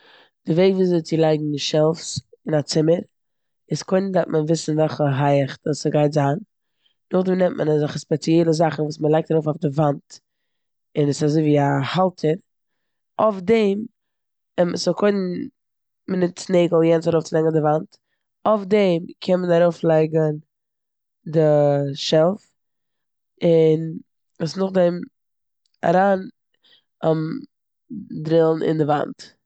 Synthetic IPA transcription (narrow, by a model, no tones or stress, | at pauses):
d̥ɪveɪɡviːzet͡sɪlˠaɪɡŋ̩ʃɛlˠfsɪnat͡sɪməɾ | ɪskoɪndat̚mʔənvɪsn̩vɛlˠχəɦaɪəχdəsəɡaɪtzaːn | dʊχdimnɛmtmʔə̰nzɪχəspɛt͡sjɛlˠəzaχn̩vuːsmənlˠaɪk̚taɾoʊfɔʊfdɪvant | ɪnɪsazoɪviːahalˠtʰəɾ | ofdɛm | msɔkʰoɪnn | mɪnɪt͡sneɪɡl̩ˠjɛnsaɾoʊft͡slɛɡəndɪvant | ofdɛmkʰɛnmənaɾoʊflˠaɪɡən | dɪʃɛlˠf | ɪn | usnʊχdɛm | a̰ɾaːn | am | dɾɪlˠn̩ʔɪ̰ndɪva̰nt